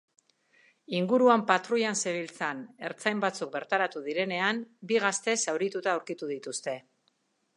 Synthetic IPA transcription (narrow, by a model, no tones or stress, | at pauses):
iŋɡuɾuampat̪ɾuʎanseβilt͡sane̞ɾt͡sajmbat͡suk̚be̞ɾt̪aɾat̪uðiɾe̞ne̞ambiɣ̞ast̪e̞sawɾit̪ut̪aawɾkit̪uðit̪ust̪e̞